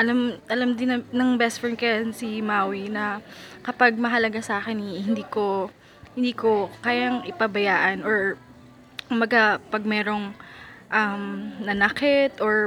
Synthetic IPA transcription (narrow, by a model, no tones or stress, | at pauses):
ʔɐlamʔɐlamd̪ɪnɐnɐŋbɛsfɛnkɐjansimawinɐkɐpaɡ̚mɐɦɐlɐɡasɐaːkɪnihɪnd̪iːko̞ | hɪnd̪iːko̞kaːjaŋʔɪpɐbɐjaːʔɐnoɹ | kʊmbɐɡapɐɡ̚mɛːɾo̞ŋʔɐmnɐnɐkɛt̪oɹ